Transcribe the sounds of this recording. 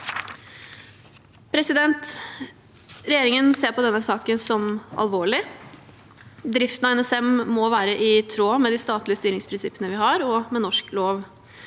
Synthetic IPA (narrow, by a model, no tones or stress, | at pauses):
pʰɾɛsɪd̪ɛnt̪ | ɾɛjeːɾɪŋənseːɾpɔd̪ɛnːəsɑːkənsɔmɑ̰lʋoːɭɪ | d̪ɾɪft̪ənɑɛnɛsɛmːɔʋæːɾəʔɪt̪ʰɾoːmɛd̪iːst̪ɑːt̪lɪəst̪yːɾɪŋspʰɾɪnsɪpːənəʋɪɦɑɾɔmɛnɔʂkloːʋ